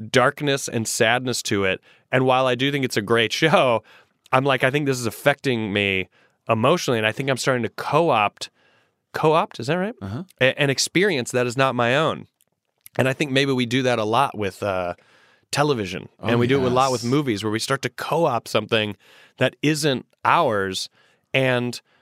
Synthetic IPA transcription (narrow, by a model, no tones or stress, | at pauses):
d̥ɑɹknɨsɨ̰̃nsædⁿnɨstʰɨɪt̚ | ɨ̃nwaɪlˠaɪdɨθɪ̃ŋkɨtsɨɡɹeɪtʃoʊ | ãɪ̃mlaɪkaɪθɪ̃ŋk̚ðɪs̬ɨzɨfɛk̚tɪ̃ŋmi | ʔəmoʊʃnl̩ˠiɨ̃naɪθɪ̃ŋkãɪ̃mstɑɹɾɪ̃ŋtʰɨkʰoʊɑp̚t | kʰoʊɑp̚tɨzɨt̚ɹaɪt̚ʔɨ̃nɨkspɪɹiɨ̃nsðɨɾɨznət̚maɪõʊ̃n | ɨ̃naɪθɪ̃ŋk̚meɪbiwidɨðɨɾəlɔʔwɪð̥ʌ | tʰɛlˠəvɪʒɨ̰̃nɨ̃nwidɨɨt̚wəðlɔt̚wəðmuvizwə˞wistɑɹtɨkʰoʊɑp̚sʌ̃mθɪ̃ŋ | ðɨɾɪzɨ̃nt | ʔaʊə˞z̥ | ɨ̃n